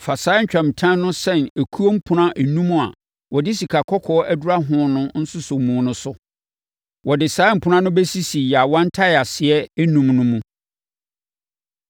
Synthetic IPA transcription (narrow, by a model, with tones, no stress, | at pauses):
fa˨saː˨˦ɲ̩˦t͡ɕᶣã˨m̩˨tʰã˦nʊ̃˦sɛ̃˦˨næ˨kʰu˦o˦m̩˦pʰʊ̃˦nã˦ʔnũ˦mũ˦˨a˨ | wʔɔ˨dɪ˦si˨kʰa˨kʰɔ˦kʰɔː˦æ˦du˦ɾa˦ɦʊ̃˦nʊ̃˦n̩˦sʊ˦sʊ˨mũː˨˦nʊ̃˦sʊ˦ | wɔ˨dɪ˨saː˨˦m̩˨pʰʊ˦nã˦nʊ̃˦bɛ˦si˦si˨ja˨wɔ̃˦n̩˦tʰa˦ɪ˨a˨sɪ˨ɛ˦nũ˨mnʊ̃˦mũ˦